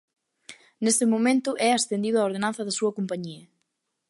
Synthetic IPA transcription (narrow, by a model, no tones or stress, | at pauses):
nesɪmomẽnt̪ʊʔɛasθend̪iðʊaoɾðenãnθɐðɐsuɐkompaɲiɐ